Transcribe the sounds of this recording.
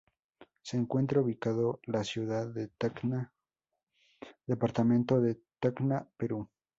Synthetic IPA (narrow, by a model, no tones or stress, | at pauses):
seːŋkwe̞nt̪ɾauβikaðolasjuðaðet̪akna | ðepaɾt̪amẽnt̪oðet̪aknapeɾu